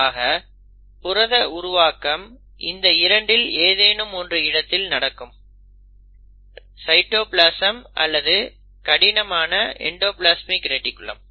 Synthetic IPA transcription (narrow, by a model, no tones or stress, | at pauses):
aːɣɐ | pʊɾɐðɐʊɾʊʋaːkɐm | ʔɪnd̪ɐɪɾɐɳɖɪleːðeːnɯmɔndrɯɪɽɐt̪ːɪlnɐɽɐkːɯm | sɐɪʈːoːplaːsɐmʔɐ̰lːɐðɯ | kɐɽɪnɐmaːnɐɛ̰ɳɖoːplaːsmɪkɾɛʈːɪkːɯɭɐ̰m